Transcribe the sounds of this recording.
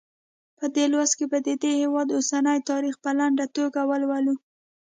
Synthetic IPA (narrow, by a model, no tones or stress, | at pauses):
pəd̪elwaskebəd̪əd̪ehewɑd̪osanəjt̪ɑɾixpəlaɳɖat̪oɡawəlwalu